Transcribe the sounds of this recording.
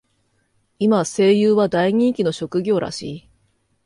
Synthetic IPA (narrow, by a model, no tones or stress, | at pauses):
imase̞ːjɯːβad̪aiɲ̟ĩŋkʲino̞ɕo̞kɯ̟ɡʲo̞ːɾa̰ɕiː